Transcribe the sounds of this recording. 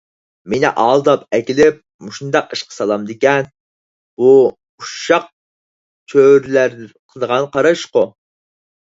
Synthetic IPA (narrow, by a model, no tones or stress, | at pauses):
menɪ̰ʔɑlˠd̪ɑpɛkʲilɪp̚muʃund̪ɑqəʃqʰə̥sɑlˠɑmd̪ekʲɛn | b̥u | uʃɑq̚ | t͡ʃʰøɾlæɾd̪ɪqʰəlˠd̪əʁɑnqɑɾɑʃqʊ